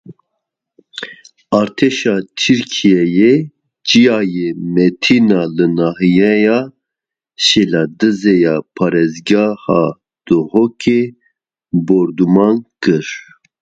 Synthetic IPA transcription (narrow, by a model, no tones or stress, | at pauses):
ɑɾt̪ʰɛʃɑt͡ʃʰiɾkʰijɛje | d͡ʒijaːjemɛt̪ʰinɑlɨnɑɦijɛjɑ | ʃelɑd̪ɨzejɑpʰɑːɾɛzɡɑhɑ | d̪̥ɨhokʰe | boɾd̪umɑnkɨɾ